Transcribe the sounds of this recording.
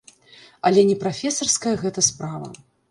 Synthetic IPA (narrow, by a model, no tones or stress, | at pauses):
ɐlʲɛnʲɛpɾafʲɛsɐrskɐjɐɣɛt̪ɐspɾavɐ̰